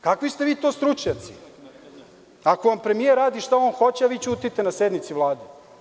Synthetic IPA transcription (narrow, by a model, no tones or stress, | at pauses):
kakʋist̪eʋiːt̪oːst̪ɾut͡ʃɲat̪si | akoʋampɾemieɾːaːd̪iʃt̪aonxo̞t͡ɕeaʋiːt͡ɕuːt̪it̪enased̪nit̪siʋlˠaːd̪e